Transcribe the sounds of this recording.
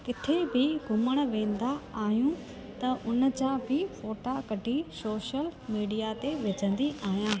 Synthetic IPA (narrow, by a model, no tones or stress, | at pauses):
kɪt̪ʰebɪɡʱʊməɽ̃ʋẽːn̆d̪aaːɦijũ | t̪ɐʔʊnət͡ɕãbʱɪfoːʈakɐɖʱisoːʃəlmiːɖijat̪eʋɪd͡ʑʱə̃nd̪iaːɦijãː